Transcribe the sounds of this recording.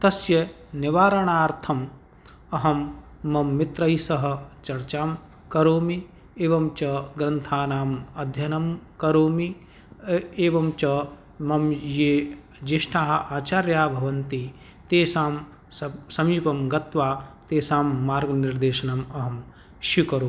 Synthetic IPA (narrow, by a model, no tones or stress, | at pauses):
t̪ɐsjɐ | nɪʋaːɾɐɳ̃aːɾt̪ʰɐm | ɐɦɐmː | ɐmːɪt̪ɾɐisɐɦɐ̆t͡ʃɐɾt͡ʃaːm | kɐɾoːmi | eːʋɐmt͡ʃɐɡɾɐnt̪ʰaːnaːmɐd̪ʱjɐnɐmkɐɾoːmi | eːʋɐmt͡ʃɐ | mɐmjeː | d͡ʒeʃʈʰaːɦɐaːt͡ʃaːɾjaːbʱɐʋɐnt̪i | t̪eːsaːm | sɐmiːpɐmɡɐt̪ʋaːt̪eːsaːmːaːɾɡnɪɾd̪eːʃɐnɐmɐɦɐm | ʃukɐɾoːi